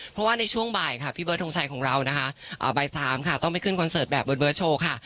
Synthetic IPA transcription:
pʰɾɔ˦˥waː˥˩na˧jt͡ɕʰu˥˩əŋbaː˨˩jkʰa˥˩pʰiː˥˩bɤː˦˥t̪̚ʰo˧ŋsʰa˧jkʰɔː˩˦ŋɾa˧wna˦˥kʰa˦˥ʔʔə̰ː˨˩baː˨˩jsaː˩˦mkʰa˦˥˩t̪ɔ˥˩ŋpa˨˩jkʰɯ˥˩nkʰɔ˧nsɤː˨˩t̪̚bɛː˨˩p̚bɤː˧n̚bɤː˦˥t̚t͡ɕʰoː˧kʰa˥˩

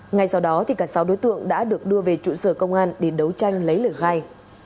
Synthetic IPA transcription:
ŋa˧jsa˧wɗɔ˨˦t̪ʰi˨˩kaː˧˩sa˨˦wɗo˨˦jt̪ɨ̰˧˨əŋɗa̰ː˧˥ɗɨ˨˩ək̚ɗɨ˧əve˨˩t͡ɕṵ˧˨səː˧˩kə˧wŋ͡mʔaː˧nɗe˧˩ɗə˨˦wt͡ɕa˧jŋ̟lə˨˦jləː˧˩xaː˧j

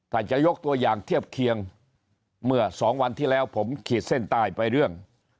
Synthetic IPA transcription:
t̪ʰaː˧˩t͡ɕa˨˩jo˦˥k̚t̪u˧ɐjaː˨˩ŋt̪ʰi˥˩əp̚kʰi˧əŋ | mɯ˥˩ɐsɔː˩˦ŋwa˧nt̪ʰiː˥˩lɛː˦˥wpʰo˩˦mkʰiː˨˩t̪̚se˥˩nt̪aː˧˩jpa˧jɾɯ˥˩əŋ

